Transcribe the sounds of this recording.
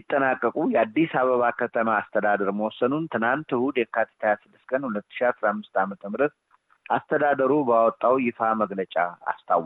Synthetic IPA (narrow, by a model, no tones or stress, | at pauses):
it̪ʼːənakʼːəkʼujɛad̪ːisaβəβakʰət̪ʰəmaːst̪ʰəd̪ad̪əɾməwɔsənunt̪ʰɨnant̪ɨhud̪jɛkʰat̪ʰi̥t̪ʰajasɨd̪ːɨskʰʼənhulət̪ːɨ̥ʃiasɾahmːɨst̪amət̪ʰəmɨɾət̪̚ | ʔast̪ʰəd̪ad̪əɾubawɔt̪ʼːawjɪfaməɡlət͡ʃʼaa̰st̪ʰaw